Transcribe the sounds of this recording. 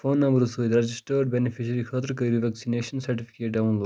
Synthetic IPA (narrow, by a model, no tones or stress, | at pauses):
foːnːɐ̃mbəɾsojd̪ɾɐd͡ʒisʈəɖ̚bɛnifiʃɐɾixɐt̪ɾkɐɾiʋɛksineːʃɐnsɐɾʈifi̥keːʈ̚ɖaũnloː